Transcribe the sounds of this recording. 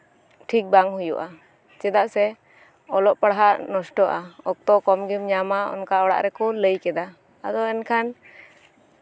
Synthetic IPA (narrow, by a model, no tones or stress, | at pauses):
ʈʰik̚baŋhujṵʔa | t͡ʃɛd̪aʔsɛ | ɔlɔʔpaɽɦaʔnɔsʈɔʔaɔk̚t̪ɔkɔmɡimɲamaɔ̰nkaɔɽa̰ʔɾɛkɔləjkɛd̪a | a̰d̪ɔɛnkʰan